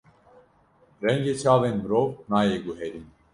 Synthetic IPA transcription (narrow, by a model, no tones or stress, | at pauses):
ɾɛŋɡeːt͡ʃʰaːvenmɨɾoːvnaːjeːɡuɦɛɾin